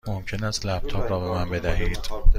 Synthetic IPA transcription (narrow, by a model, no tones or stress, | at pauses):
momcʰe̞næst̪læb̚t̪ʰɒːpɾɒːbe̞mænbe̞d̪æɦiːd̪̥